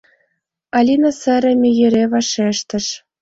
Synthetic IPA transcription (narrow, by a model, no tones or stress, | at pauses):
ɑlʲinɑsə̆ɾɘ̆mʲijɘ̆ɾeβɑʃeʃt̪ə̆ʃ